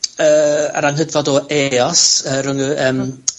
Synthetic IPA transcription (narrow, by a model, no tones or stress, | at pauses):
əːə̰ɾaŋɦədvɔdɔeɔsəːrʊŋʉəːm